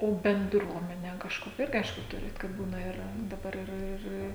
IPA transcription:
ˈoː bʲɛnˈdruɔmʲɛnʲɛ kɐʃˈkoːkʲɛ ˈɪrʲɡʲɪ ˈɐɪʃkʊ ˈtʊrʲɪt kɐt ˈbuːnɐ ɪˈrɐ dɐˈbɐr ɪˈrɐ ˈɪr

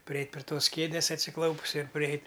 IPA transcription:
pʲrʲɪˈɛɪtʲ pʲrʲɪ ˈtoːs ˈkʲeːdʲeːs ɐtʲsʲɪˈklˠɐʊpʊs ɪr pʲrʲɪˈɛɪtʲ

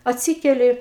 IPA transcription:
ɐtʲˈsʲiːkʲɛlʲɪ

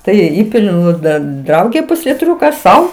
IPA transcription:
ˈtɐɪ ɪr ˈiːpʲɪlʲʊ ˈnʊ ˈdɐn ˈdrɐʊɡʲeː pʊsʲlʲɪˈtʲrʲʊkɐ ˈsɐʊ

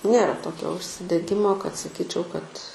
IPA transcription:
ˈnʲeːrɐ ˈtoːkʲoː ʊʃʲsʲɪdʲɛˈɡʲɪmoː kɐt sɐˈkʲiːt͡ʃʲɛʊ kɐt

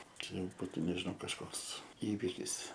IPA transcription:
ˈt͡ʃʲɛ jɛʊ ˈbuːtʊ nʲɛʒʲɪˈnɐʊ kɐʃˈkoːks ˈiːʋʲɪkʲɪs

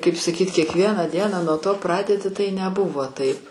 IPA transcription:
kɐɪp sɐˈkʲiːtʲ kʲiɛkˈʋʲiɛnɑː ˈdʲiɛnɑː nuɔ ˈtoː ˈprɑːdʲɛdʲɪ ˈtɐɪ nʲɛˈbʊʋoː ˈtɐɪp

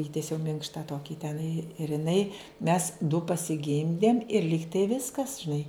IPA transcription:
ˈiːtʲiɛsʲɛʊ ˈmʲɪŋkʃtɐ ˈtoːkʲiː tʲɛˈnɐɪ ɪr ɪˈnɐɪ mʲɛs dʊ pɐsʲɪˈɡʲɪmʲdʲeːm ɪr ˈlʲiːktɐɪ ˈʋʲɪskɐs ʒʲɪˈnɐɪ

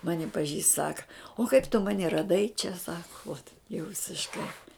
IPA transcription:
ˈmɑːnʲɪ pɐˈʒʲiːst ˈsɑːkɐ oː kɐɪp tʊ ˈmɑːnʲɪ rɐˈdɐɪ t͡ʃʲɛ ˈsɑːkʊ uɔt jɛʊ ʋʲɪsʲɪʃˈkɐɪ

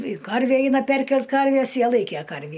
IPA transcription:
ɪ ˈkɐrʲʋʲiɛ ˈɛɪnɐ ˈpʲɛrʲkʲɛlˠt ˈkɐrʲʋʲiɛs ˈjiɛ ˈlˠɐɪkʲeː ˈkɐrʲʋʲiː

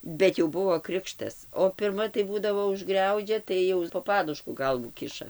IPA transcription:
bʲɛt jɛʊ ˈbʊʋoː ˈkrʲɪkʃtɐs oː pʲɪrˈmɐ tɐɪ ˈbuːdɐʋoː ʊʒˈɡrʲɛʊd͡ʒʲɛ ˈtɐɪ jɛʊ poː ˈpɑːdʊʃkʊ ˈɡɐlˠʋuː ˈkʲɪʃɐ

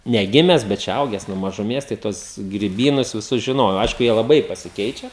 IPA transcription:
nʲɛˈɡʲɪmʲɛs bʲɛt t͡ʃʲɛ ˈɐʊɡʲɛs nuɔ mɐʒʊˈmʲeːs tɐɪ ˈtuɔs ɡrʲɪˈbʲiːnʊs ʋʲɪˈsʊs ʒʲɪˈnoːjɛʊ ˈɐɪʃkʊ ˈjiɛ lˠɐˈbɐɪ pɐsʲɪˈkʲɛɪt͡ʃʲɛ

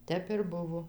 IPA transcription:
ˈtʲɛp ɪr ˈbʊʋoː

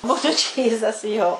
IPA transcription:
ˈbuːtʊ ˈt͡ʃʲiːzɐs joː

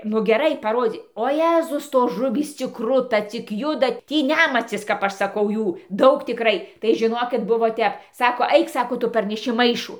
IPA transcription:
nʊ ɡʲɛˈrɐɪ pɐˈroːd͡zʲiː oː ˈjæːzʊs ˈtoːs ˈʒʊʋʲiːs t͡sʲɪk ˈkrʊtɐ t͡sʲɪk ˈjʊdɐ ˈtʲiː ˈnʲæmɐt͡sʲɪs kɐp ˈɐʃ sɐˈkɐʊ ˈjuː ˈdɐʊk tʲɪˈkrɐɪ tɐɪ ʒʲɪˈnoːkʲɪt ˈbʊʋoː ˈtʲɛp ˈsɑːkoː ˈɐɪk ˈsɑːkoː ˈtʊ pɐrʲnʲɛˈʃʲɪ ˈmɐɪʃʊ

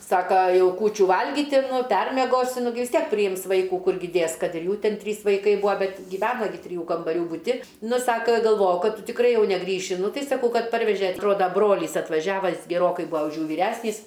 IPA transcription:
ˈsɑːkɐ ˈjɛʊ ˈkuːt͡ʃʲuː ˈʋɐlʲɡʲiːtʲɪ nʊ ˈpʲɛrʲmʲiɛɡoːsʲɪ nʊ ˈɡʲɪ ʋʲɪs ˈtʲiɛk pʲrʲɪˈjɪms ˈʋɐɪkuː ˈkʊrʲɡʲɪ ˈdʲeːs ˈkɐt ɪr ˈjuː ˈtʲɪn ˈtʲrʲiːs ʋɐɪˈkɐɪ ˈbʊɐ ˈbʲɛt ɡʲɪˈʋʲæːnɐ ɡʲɪ tʲrʲɪˈjuː kɐmbɐˈrʲuː bʊˈtʲɪ ˈnʊ ˈsɑːkɐ ɡɐlˠˈʋoːjɛʊ ˈkɐt ˈtʊ tʲɪkˈrɐɪ ˈjɛʊ nʲɛˈɡrʲiːʃʲɪ ˈnʊ ˈtɐɪ sɐˈkɐʊ ˈkɐt ˈpɐrʲʋʲɛʒʲɛ ɐtˈroːdɐ ˈbroːlʲiːs ɐtʋɐˈʒʲæːʋɐ ɡʲɛˈroːkɐɪ ˈbʊɐ ʊʃ ˈjuː ʋʲiːˈrʲæsʲnʲiːs

